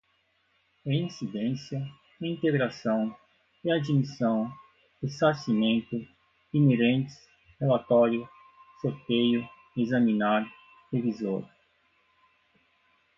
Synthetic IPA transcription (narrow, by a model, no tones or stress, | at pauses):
ɐĩsid̪ẽsjɐ | ĩnt̪eɡɾasɐ̃w̃ | ɪad͡ʒimisɐ̃w̃ | ɪsasimẽnt̪ʊ | ineɾẽnt͡ʃ̪ɪ̥s | helat̪ɔɾjʊ | soɾt̪ejʊ | ezamĩnaɾ | hevizoɾ